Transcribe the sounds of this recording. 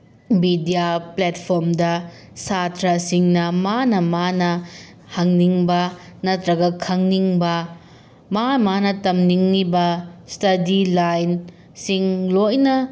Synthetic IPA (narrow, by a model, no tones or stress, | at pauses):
bidijapletpʰoɾmdɐ | satʰɾɐsiŋnɐmanɐmanɐ | hɐŋniŋbɐnɐtɾɐɡɐkʰɐŋniŋbɐ | mamanɐtɐmniŋnibɐstɐdilajn | siŋlojnɐ